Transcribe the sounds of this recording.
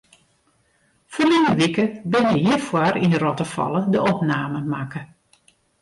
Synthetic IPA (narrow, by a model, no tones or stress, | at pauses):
fɔrlɪŋəʋikəbɪnjəjifwaɾinərɔtəfɔ̰lˠədəʔɔpnaːməmakə